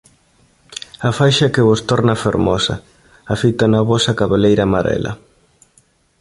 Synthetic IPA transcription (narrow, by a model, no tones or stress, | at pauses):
ɐfajʃɐkɪβost̪ɔɾnɐfeɾmɔsɐ̰ | afit̪ɐnɐβɔsɐkaβelejɾamaɾɛ̰lɐ̰